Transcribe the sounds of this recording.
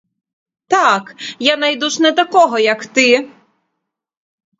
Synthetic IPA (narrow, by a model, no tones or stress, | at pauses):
t̪akjanɐjd̪uʃnɛt̪ɐkɔɦɔjɐkt̪ɪ